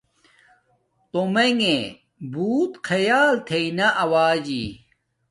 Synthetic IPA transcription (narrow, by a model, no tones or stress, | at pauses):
t̪omeŋe | buːt̪kʰɐjaːlt̪ʰeinɐʔɐwaːd͡ʑḭ